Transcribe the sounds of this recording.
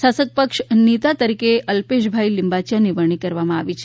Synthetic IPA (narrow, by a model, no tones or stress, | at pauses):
ʃasət̪̚pəkʃnit̪at̪əɾikeʔəlpeʃ̬bʱailɪmbat͡ʃjaniʋəɳ̃ikəɾʋamãaʋit͡ʃʰ